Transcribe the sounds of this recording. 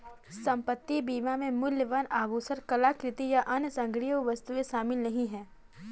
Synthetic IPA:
sɐ̃mpət̪ːibiːmamẽmʊljəʋanaːbuːsəɾkɐlakɾɪt̪ijaʔɐnsɐ̃ŋɡɾijəwʋɐst̪ueʃaːmɪlnɐɦĩɦɛː

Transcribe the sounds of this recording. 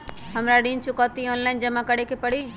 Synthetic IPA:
ɦɐmɾaɗĩːnt͡ʃʰʊkaːt̪ioːnlaːɪnd͡ʑɐmãkɐɽ̤ekʰepɐɽ̤i

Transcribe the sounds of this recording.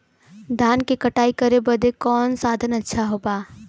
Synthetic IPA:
d̪ʱaːnkekɐʈaːikɐɾebɐd̪ʱekɔːnsaːd̪ʱənɐtːʃʰaɦoːbaː

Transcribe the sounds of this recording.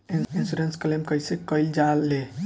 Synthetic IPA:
insuɾensklemkəjsekəld͡ʒalːe

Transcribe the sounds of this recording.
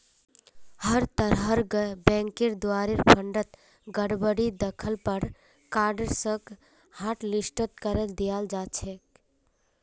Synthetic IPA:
həɾt̪əɾɦəɾɡbɛ̃ŋkiɾd̪oaɾiɾpʰəɳɖət̪ | ɡəɽbəɽid̪əkʰəlpəɾ | kaɾɖəɾsə̃k | haʈlisʈət̪kəɾəld̪ijald͡ʒat͡ʃʰɛk

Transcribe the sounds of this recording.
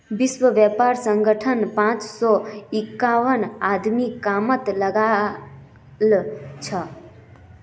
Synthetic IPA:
biswəʋjɛpaɾsə̃ŋɡəʈʰənpãt͡ʃsɔɪkːaʋənad̪mikamət̪ləɡa | lt͡ʃʰə

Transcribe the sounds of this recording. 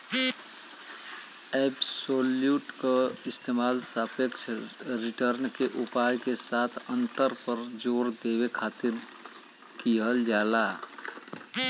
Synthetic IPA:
eːbsoːljuːʈkaɪst̪eːmaːlsapəkt͡ʃʰɾɪʈəɾnkeʔupaːjkesaːt̪ʰə̃nt̪əɾpəɾd͡ʒoːɾd̪eːwekʰaːt̪ɪɾ | kiɦəld͡ʒaːlaː

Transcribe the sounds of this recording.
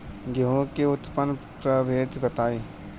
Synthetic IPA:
ɡeɦõkeʊt̪pən | pɾəbʱeːd̪bɐt̪aːiː

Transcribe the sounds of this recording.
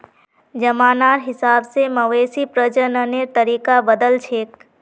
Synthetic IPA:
d͡ʒəmaːnaːɾɦɪsaːbseməʋeːsipɾəd͡ʒənəneɾt̪əɾiːkabəd̪əlt͡ʃʰeːk

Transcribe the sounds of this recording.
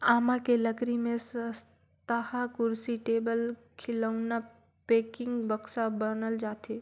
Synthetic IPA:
aːmakeləkɾimẽsəs | t̪ahakʊɾsiʈeːbəlkʰɪləʊna | peːkɪ̃ŋɡbəksabənəld͡ʒaːt̪ʰe

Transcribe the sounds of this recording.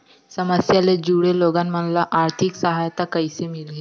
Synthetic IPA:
səməsjaled͡ʑuɽeloɡanmənlaʔaɾt̪ʰiksəɦajt̪akəjsemilɡe

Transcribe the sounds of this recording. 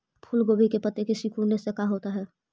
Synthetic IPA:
pʰʊlɡoːbʱikepɐt̪ekisɪkunesekaɦoːt̪aɦɛː

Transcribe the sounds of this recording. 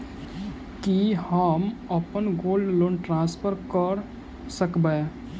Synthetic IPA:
kihəməpənɡoːlɖloːɳʈɾãːspʰəɾkəɾ | səkbəe

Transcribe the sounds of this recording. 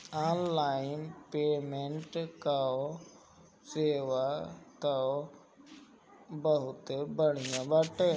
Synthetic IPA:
aːnlaːɪnpeːmẽɳʈkao | seːʋat̪ɐo | bəɦʊt̪ebəɽ̤ijãbaʈe

